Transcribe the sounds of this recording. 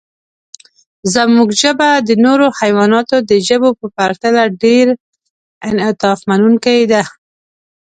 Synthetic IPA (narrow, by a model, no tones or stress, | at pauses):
zamuɡʒəbad̪ənoɾohajwɑnɑt̪od̪əʒəbopəpaɾt̪alaɖeɾ | ɪnɪt̪ɑfmanunkawed̪a